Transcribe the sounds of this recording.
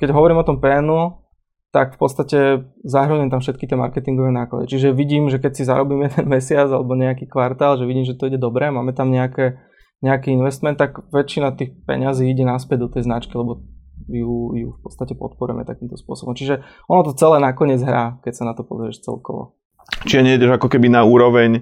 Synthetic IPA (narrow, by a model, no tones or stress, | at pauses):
kɛɟɦɔʋɔɾiːmɔt̪ɔmpɛnɔ | t̪akfpɔt̪t͡st̪acɛzaɦɾəɲɛmt̪amfʃɛt̪̚kit̪ɪɛma̰ɾkɛt̪iŋɡɔʋɛːnaːkla̰d̪ḭt͡ʃiʒɛʋiɟiːmʒɛkɛcsiza̰ɾɔbiːmjɛd̪ɛnmɛsɪad͡zalɛbɔɲɛakiːkʋaɾt̪aːlʒɛʋiɟiːmʒɛt̪ɔiɟɛd̪ɔbɾɛmaːmɛt̪amɲɛakɛ | ɲɛakiːinʋɛst̪mɛnt̪ːaɡʋɛt͡ʃːinat̪iːxpɛ̰ɲaziːiɟɛnaspɛɟd̪ɔt̪ɛjznat͡ʃkilɛbɔjujufpɔt̪t͡st̪acɛpɔ̰t̪̚pɔɾṵjɛ̰mɛ̰t̪akiːmt̪ɔspʊɔ̰sɔbɔmt͡ʃiʒɛ | ɔnɔt̪ɔt͡sɛlɛːnakɔɲɪɛd͡zɦɾaːkɛcsanat̪ɔpɔ̰zɛɾɛʃt͡sɛ̰lkɔ̰ʋɔ̰ | t͡ʃiɛɲɛiɟɛʒakɔkɛbinauːɾɔʋɛɲ